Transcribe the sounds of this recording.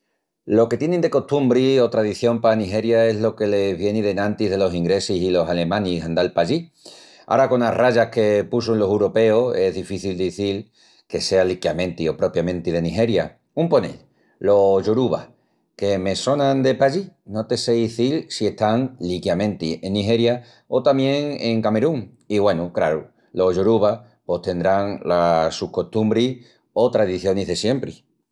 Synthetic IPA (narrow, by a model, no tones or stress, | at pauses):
lo̞ke̞t̪je̞nend̪e̞ko̞t̪umbɾio̞t̪ɾaðiθjo̞mpaniɦe̞ɾjae̞ɦlo̞ke̞le̞βje̞niðe̞nãnt̪iðe̞lo̞siŋɡɾe̞sisilo̞sale̞mãnisand̪alpaʎi | a̰ɾako̞naraʝahke̞pus̬unlo̞sewɾo̞pe̞ose̞ɦðifiθild̪iθil | ke̞se̞alikjamẽ̞nt̪io̞pɾo̞pjamẽnt̪ið̞e̞niɦe̞ɾja | umpo̞ne̞̰l | lo̞ʝuɾuβa̰ | ke̞me̞so̞nãnd̪e̞paʝino̞t̪e̞se̞iθilsie̞ht̪aŋlikjamẽ̞nt̪ie̞niɦe̞ɾja | o̞t̪amjẽ̞ŋeŋkame̞ɾuŋ | iɣwe̞nukɾaɾu | lo̞ɦʝuɾuβa | po̞st̪e̞nd̪ɾaŋlasuhko̞ht̪umbɾi | o̞t̪ɾaðiθjo̞niɦðe̞sje̞mpɾi